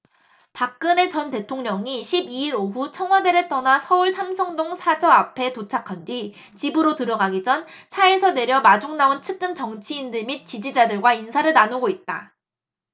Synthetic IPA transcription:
pak̚k͈ɯne̞t͡ɕʌnte̞tʰoŋɲʌŋiɕʰibiiɾoɦut͡ɕʰʌŋwade̞ɾɯɭt͈ʌnasʰʌuɭsʰamsʰʌŋdoŋsʰad͡ʑʌapʰe̞tot͡ɕʰakʰandɥi | t͡ɕibɯɾotɯɾʌɡaɡid͡ʑʌnsʰaesʰʌne̞ɾjʌmad͡ʑoŋnaont͡ɕʰɯd͈ʰɯnt͡ɕʌŋt͡ɕʰiːndɯɭmit̚t͡ɕ͈id͡ʑid͡ʑadɯɭɡwainsʰaɾɯɭnanuɡoit̚t͈a̰

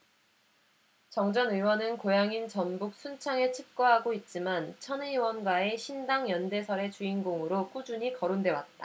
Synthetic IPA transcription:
t͡ɕʌŋd͡ʑʌnɯwʌnɯnkojaŋint͡ɕʌnbuk̚s͈ʰunt͡ɕʰaŋeɭt͡ɕʰɯk̚k͈ʌɦaɡoit̚t͡ɕ͈imant͡ɕʰʌnɯwʌnɡwae̞ɕʰindaŋjʌnde̞sʰʌɾe̞t͡ɕuinɡoŋɯɾok͈ud͡ʑuɲikʌɾondwe̞wat̚t͈a

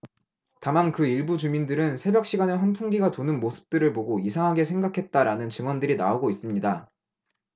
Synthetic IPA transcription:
tamankɯiɭbut͡ɕumindɯɾɯnsʰe̞bjʌk̚ɕ͈iɡaneɸanpʰuŋɡiɡatonɯnmosʰɯ̥p̚t͈ɯɾɯɭpoɡoisʰaŋɦaɡe̞sʰe̞ŋɡakʰe̞t̚t͈aɾanɯnt͡ɕɯŋwʌndɯɾinaoɡois͈ɯmɲida

